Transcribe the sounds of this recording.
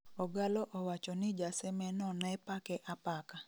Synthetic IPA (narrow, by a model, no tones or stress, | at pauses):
ɔɡalɔʔɔwat͡ʃɔnɪd͡ʒasɛmɛnɔnɛpakɛʔapaka